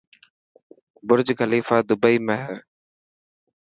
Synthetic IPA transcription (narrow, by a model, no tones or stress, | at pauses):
bʊɾd͡ʒkəliːfaːd̪ʊbəiːmẽːɦɛː